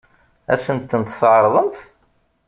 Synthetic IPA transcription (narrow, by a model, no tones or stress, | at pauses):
æ̰sənt̪ːənt̪θʕɾˤðˤəmθ